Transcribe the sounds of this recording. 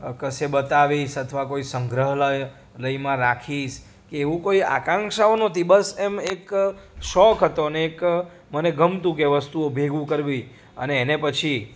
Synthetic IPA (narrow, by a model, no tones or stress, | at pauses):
kəsebət̪aʋiʃət̪ʰəʋakoisəŋɡɾəɦləj | ləimãɾakʰiʃ | keːʋũkoia̰kãŋʃaonot̪ibəsɛmekʃɔkɦət̪oneːk | məneɡʱəmt̪ũkeʋəst̪uobʱeɡũkəɾʋi | ə̰neːnepət͡ʃʰi